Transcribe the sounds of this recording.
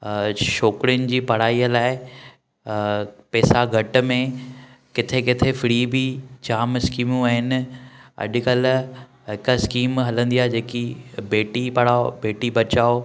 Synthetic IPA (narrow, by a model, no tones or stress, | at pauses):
ʃoːkɽijʊnɪ̆d͡ʑiːpɐɽ̤aːiəlaːɪɪ | pɛːsaɡʱɐʈ̆mẽkɪt̪ʰekɪt̪ʰefɪɽiːbid͡ʑaːmskiːmũaːɦɪnɪ̆ɐ̰ʄ̆kɐl | ɦɪkaskiːmɦɐlə̃nd̪ijaːd͡ʑeːkibeːʈipɐɽ̤aːobeːʈibɐt͡ɕaːo